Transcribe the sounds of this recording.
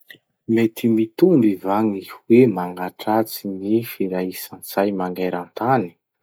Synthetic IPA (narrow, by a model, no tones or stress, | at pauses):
met̪ʰimit̪umbivaŋiwemaŋɡaʈ͡ʂat͡sinifiɾaisant͡sajmaŋɡaɾant̪ani̥